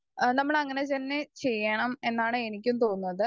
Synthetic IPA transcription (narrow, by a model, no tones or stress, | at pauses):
nɐmːɐɭɐŋːɐne̞t̪ɐnːe̞t͡ɕe̞jːɐɳɐme̞nːaːɳɨenikʲːumt̪o̞ːnːuɐðɨ